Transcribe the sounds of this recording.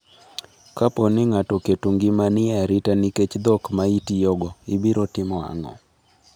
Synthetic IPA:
kapɔnɪŋatɔketuŋɡimanɪaɾitaniket͡ʃd̪ɔkmaitijɔɡɔɪbiɾɔtɪmɔa̰ŋɔ̰

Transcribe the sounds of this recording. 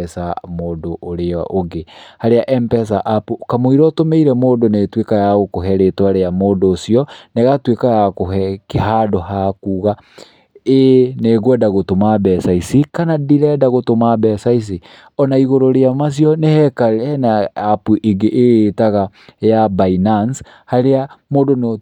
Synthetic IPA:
ɛsamoːdoʔoɾeɔ̰ʔoɡehaɾeaʔɛmpɛsaʔapukamoiɾɔtomeiɾɛmoːdonetwekajaɣokoɦɛɾetwaɾeamoːdoːsiɔneɣatwekajakoɦɛkeɦadɔhakuːɣa | eneɣwɛdaɣotomabɛsaisikanadiɾɛdaɣotomabɛsais̬i | ɔnaiɣoɾoɾeamas̬jɔnehɛkaɛnaapuʔeɡeʔːetaɣa | jabainans | haɾeamoːdon

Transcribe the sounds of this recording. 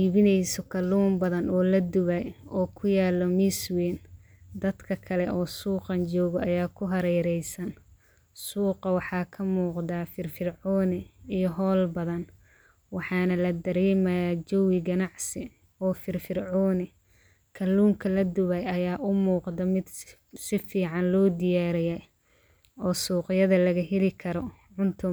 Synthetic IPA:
iːβɪnɛjsɔkʰɐluːmbɐðɐnɔːlɐd̪ʊβɐjɔːkʰʊjaːlɔmiswɛːn | d̪ɐd̪kʰɐkʰɐlɛʔɔːsuːqɑnt͡ʃɔːɣɔɐjaːkʰʊɦɐɾɛjɾɛjsɐn | suːqɑwɑħɑːkʰɐmuːqd̪afɪrfɪrʕɔːnɪijɔɦɔːlbɐðɐn | wɑħɑːnɐlɐd̪ɐɾɛːmɐjaːd͡ʒɔwɪɡɐnɑʕsɪ | ɔːfɪrfɪrʕɔːnɪ | kʰɐlːuːŋkʰɐlɐd̪ʊβɛjɐjaːʔʊmuːqd̪ɐmɪd̪ | sɪfiːʕɑnlɔːd̪ɪjaːɾɪjɛ | ɔːsuːqɪjɐðɐlɐɣɐɦɪlɪkʰɐɾɔ | ʕʊnt̪ʰʊ

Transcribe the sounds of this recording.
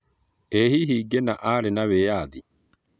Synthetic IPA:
ehiɦiɡɛnaʔaːɾɛnawejaːd̪i

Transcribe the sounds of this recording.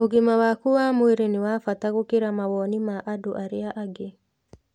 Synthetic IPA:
oɡimawakuwamueɾeniwafat̪aɣokeɾamawɔnimaʔadoʔaɾɪaʔaɡe

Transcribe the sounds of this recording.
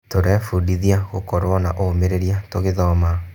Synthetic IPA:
toɾɛfudiðiaɣokɔɾwɔnaʔomeɾeɾiatoɣeðɔma

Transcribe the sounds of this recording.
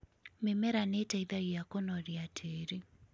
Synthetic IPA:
memɛɾanetaiðajijakɔnɔɾiatʰeːɾe

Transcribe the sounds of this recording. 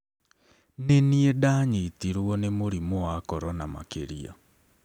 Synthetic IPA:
neniedaɲetiɾwɔnemoɾimoakɔɾɔnama̰keɾia̰

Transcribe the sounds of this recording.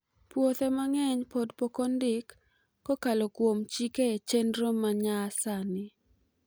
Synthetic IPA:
pwot̪ɛmaŋɛɲpodpokondɪkː | ɔkalokwomt͡ʃiket͡ʃendɾomaɲasanɪ

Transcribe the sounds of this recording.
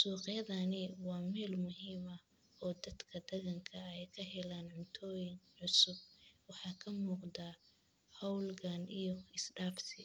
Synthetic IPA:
suːqjɐðanɪwɑːmɛːlmʊɦiːmɐ | ɔːd̪ɐd̪kʰɐd̪ɐɣɐŋkʰɐɛjkʰɐɦɛlaːnʕʊnt̪ʰɔːjɪŋʕʊsʊb̚wɑħɑːkʰɐmuːqd̪aː | hɔwlɡaːnijɔɪsɖaːfsɪ

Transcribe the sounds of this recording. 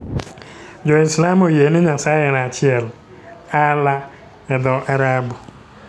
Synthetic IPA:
d͡ʒoislamojenɪɲasaɣenat͡ʃɪel | ala | edɔʔaɾabʊ

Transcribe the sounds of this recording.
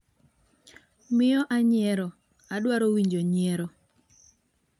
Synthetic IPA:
mɪɔʔaɲɪɛɾɔ | adwaɾowiɲd͡ʒoɲɪɛɾɔ

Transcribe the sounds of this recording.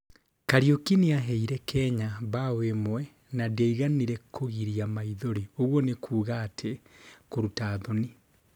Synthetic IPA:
kaɾiokiniaɦɛiɾɛkʰɛɲaβawemwɛ | nadɛiɣaniɾɛkʰoɣiɾiamaiðoɾioɣwɔnekʰuːɣaːtʰekoɾutaðoni

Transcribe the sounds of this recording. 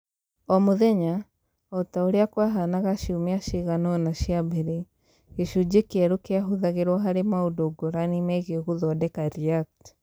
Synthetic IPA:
ɔmoðɛɲa | ɔtaoɾeakwaɦanaɣaʃiumeaʃiɣanɔnaʃiabɛɾe | eʃud͡ʑekeɛɾokeaɦuðaɣeɾwɔɦaɾemaodoɡoɾanimɛɣeɣuðɔdɛkaɾiat

